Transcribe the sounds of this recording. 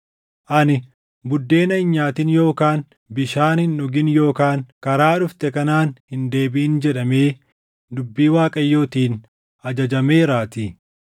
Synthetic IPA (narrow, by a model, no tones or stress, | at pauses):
ʔɐnɪ | bʊd̪ːe̞ːnɐɪɲːaːt̪ɪnjo̞ːkaːn | bɪʃaːnhɪnʊɡɪnjo̞ːkaːŋkɐɾaːᶑʊft̪ɛkɐnaːnhɪnd̪e̞ːbiːnd͡ʒɛᶑɐme̞ː | d̪ʊbːiːwaːkʼɐjːo̞ːt̪iːn | ɐd͡ʒɐd͡ʒɐme̞ːɾaːt̪i